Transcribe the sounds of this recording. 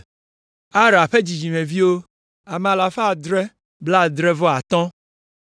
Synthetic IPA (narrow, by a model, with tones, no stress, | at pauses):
a˦ɾa˨ɸe˦d͡ʑi˨d͡ʒi˨mẽ˨vi˦wo˦ | a˨mɛ̃˨a˨la˨ɸa˦˨d̪ɾɛ˦ | bla˦˨d̪ɾɛ˦vɔ˦a˨t̪ɔ̃˦